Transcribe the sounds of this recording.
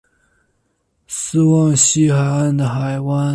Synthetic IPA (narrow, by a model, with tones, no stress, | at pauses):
sɹ̩˥wɑ˥˩ŋɕi˥xa˨˧ɪa˥˩nd̪ə˩xa˨˩ɪwa˥n